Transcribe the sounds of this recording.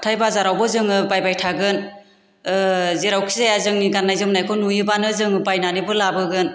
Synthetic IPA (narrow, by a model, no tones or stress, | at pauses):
atʰajbazaɾawbɯzɯŋɯbajbajtʰaɡɯn | ɯzeɾawkʰizajazɯŋniɡanːajzɯmnajkʰɔnujɯbanɯzɯŋɯbajnanibɯlabɯɡɯn